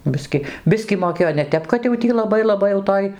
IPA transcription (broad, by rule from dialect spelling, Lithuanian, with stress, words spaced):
ˈbʲɪsʲkʲɪ ˈbʲɪsʲkʲiː moːˈkʲeːjoː nʲɛ ˈtʲɛp kɐt jɛʊ ˈtʲiː lˠɐˈbɐɪ lˠɐˈbɐɪ jɛʊ ˈtoːj